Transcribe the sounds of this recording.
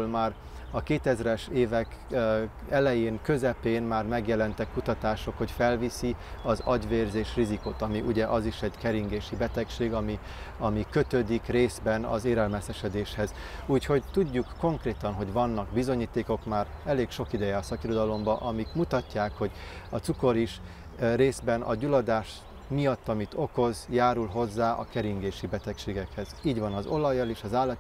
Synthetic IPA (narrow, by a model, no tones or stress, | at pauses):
lmaːr | ɒkeːt̪ɛzɾɛʃeːvɛk | ɛlɛjeːŋkø̞zɛpeːnmaːrmɛɡjɛlɛnt̪ɛkːut̪ɒt̪aːʃo̞kho̞cfɛlvisiɒzɒɟʋeːrzeːʃrizikut̪ɒmiʔuɟɛʔɒziʃɛɟkɛɾiŋɡeːʃibɛt̪ɛkʃeːɡɒmi | ɒmikø̞t̪ød̪ikreːzbɛnɒ̰zeːɾɛlmɛsɛʃɛd̪eːʃhɛz | uːcho̞ɟt̪uɟːukːo̞ŋkreːt̪ɒnɦo̞ɟvɒnːɒɡbizo̞ɲiːt̪eːko̞kmaːɾɛleːkʃo̞kid̪ɛjɛɒsɒkiɾo̞d̪ɒlo̞mbɒʔɒmikmut̪ɒcːaːkho̞ɟɒt̪suko̞ɾiʃ | reːzbɛnʔɒ̰ɟulɒd̪aːʃ | mijɒt̪ːɒmit̪o̞ko̞zjaːɾulɦo̞zːaːʔɒ̰kɛɾiŋɡeːʃibɛt̪ɛkʃeːɡɛkhɛziːɟʋɒnɒzo̞lɒjːɒleːʃɒzaːlːɒt̪